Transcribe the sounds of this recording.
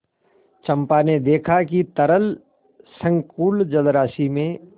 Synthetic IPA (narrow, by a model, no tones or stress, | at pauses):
t͡ʃɐ̃mpaned̪eːkʰakit̪ɐɾəl | sə̃ŋkuːld͡ʒɐlɾaːsimẽ